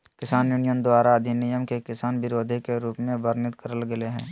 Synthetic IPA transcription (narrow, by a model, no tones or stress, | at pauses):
kɪsaːnjunijənd̪waːɾaɐd̪ʱinɪjəmkekɪsaːnʋɪɾoːd̪ʱikeɾuːpmẽʋəɾnɪt̪kəɾəlɡɐleɦɛ̰̃ː